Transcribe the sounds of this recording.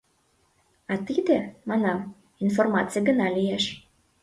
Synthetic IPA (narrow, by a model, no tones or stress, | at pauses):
ɑt̪id̪emɑnɑm | informɑtt͡sɨjəɡə̆nɑlijeʃ